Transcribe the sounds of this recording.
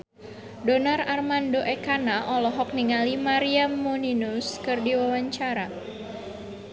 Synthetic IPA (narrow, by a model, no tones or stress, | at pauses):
donararmandoʔɛkanaʔɔlɔɦɔk̚niŋalimaɾiamːoninuskɨrdiwawaɲt͡ʃaɾa